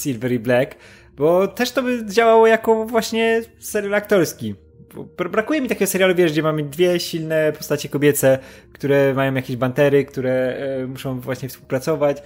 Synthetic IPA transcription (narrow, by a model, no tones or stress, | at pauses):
sʲilvɛɾiblɛk | bɔt̪ɛʂt̪ɔbɘd͡ʑawawɔjakɔvwaɕɲɛsɛɾʲjalakt̪ɔɾskʲi | bɔ̰bɾbɾakujɛmʲit̪akʲɛɡɔsɛɾjaluvʲjɛʐɡd͡ʑɛmamɘd̪vʲjɛɕilnɛpɔst̪at͡ɕɛkɔbʲjɛt̪sɛkt̪uɾɛmajɔ̃w̃jakʲeʑbant̪ɛɾɘkt̪uɾɛmuʂɔ̃w̃vwaɕɲɛfspuwpɾat̪sɔvat͡ɕ